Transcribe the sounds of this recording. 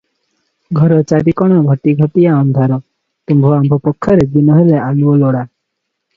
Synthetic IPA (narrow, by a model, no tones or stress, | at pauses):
ɡʱɔɾɔt͡ʃaɾikɔɽ̃ɔɡʱɔʈiɡʱɔʈ̪ijaɔnd̪ʱaɾɔ | t̪umbʱɔambʱɔpɔkʰːɔɾed̪inɔɦelealuɔlɔɽa